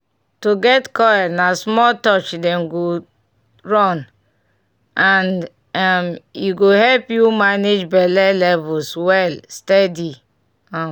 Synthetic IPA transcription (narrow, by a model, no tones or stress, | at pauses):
toɡɛtkɔɛnasmɔtɔt͡ʃdɛ̃mɡo | ɹɔ̃n | ʔãn | amjuɡohɛlpjumaned͡ʒbɛlɛlɛvuswɛlstɛdi | ã